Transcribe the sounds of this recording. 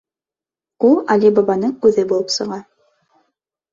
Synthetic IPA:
ulˠalʲibɑbɑnɤɴkʉðɘbulˠɤpsɤ̆ʁɑ

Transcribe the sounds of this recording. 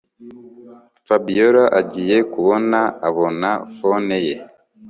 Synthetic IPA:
fabijoɾaʔaɟije̞kuβo̞naaβo̞nafoneje

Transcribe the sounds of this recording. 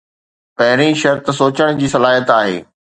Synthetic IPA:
pɐɦɪɾ̃ĩʃɐɾt̪soːt͡ɕəɽ̃d͡ʑiːsɐlaːɦijət̪aːɦḛː

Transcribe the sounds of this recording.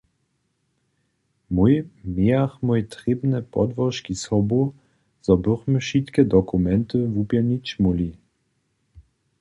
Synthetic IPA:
mujmeaxmujt̪ʁebnɛpɔ̰d̪vɔʃkisɔbu | z̥ɔbøʁməʃit̪kɛd̪ɔkumɛnt̪əvupjɛnit͡ɕmuli

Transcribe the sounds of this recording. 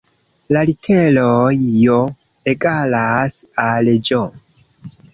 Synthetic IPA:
lalitʰelojjo | eɡalasaled͡ʒo

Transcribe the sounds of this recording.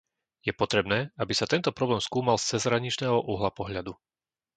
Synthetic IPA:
jɛpɔt̪ɾɛbnɛːabisat̪ɛnt̪ɔpɾɔblɛːmskuːmalst͡sɛzɦɾaɲit͡ʃnɛːɦɔʔuɦlapɔɦʎad̪u

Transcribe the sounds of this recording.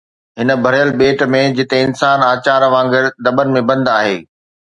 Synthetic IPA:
ɦɪnə̆bʱɐɾjəlɓeːʈmẽd͡ʑɪt̪eɪnsaːnaːt͡ɕaːɾʋãːŋɡɪɾd̪ɐbənɪ̆mẽbɐ̃nd̪aːɦeː

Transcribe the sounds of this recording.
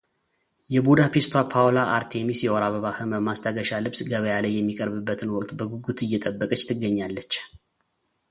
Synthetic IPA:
jɛbud̪apest̪ʰwapʰawlaʔaɾt̪ʰemisjɛwɔɾaβəβahɨməmast̪ʰaɡəʃalɨβsɡəβəjalajːɛmːikʼəɾbɨbːət̪ʰɨnwɔkʼt̪ʼbəɡuɡut̪ʰɨjːɛt̪ʼəbːəkʼət͡ʃːt̪ʰɨɡːəɲːalːət͡ʃː

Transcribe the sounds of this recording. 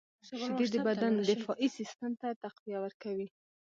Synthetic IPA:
ʃɪd̪ed̪əbad̪and̪ɪfɑʔisɪst̪əmt̪at̪aqwijawəɾkawi

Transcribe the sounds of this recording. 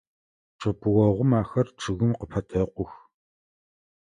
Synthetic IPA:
ʈ͡ʂʼɨpʰʼɨwɔʁʷʊmaːxɐrʈ͡ʂʰɨɣɨmqəpʰɐtʰɐqʷʊx

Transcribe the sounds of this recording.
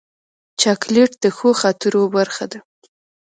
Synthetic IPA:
t͡ʃɑkleʈd̪əxoxɑt̪əɾobaɾxad̪a

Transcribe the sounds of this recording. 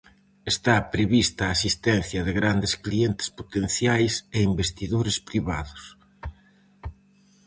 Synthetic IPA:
est̪apɾeβist̪ɐːsist̪ɛn̟θjɐðɪɣɾand̪ɪsklient̪ɪ̥spot̪en̟θjajseimbest̪iðoɾɪspɾiβaðʊs

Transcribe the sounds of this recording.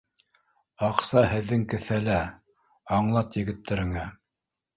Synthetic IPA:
ɑqsɑhɘ̆ðːɘŋkɘ̆θælæ | ɑɴlˠɑt̪jɘ̆ɡɘ̆t̪ːɘ̆ɾɘ̆ŋæ

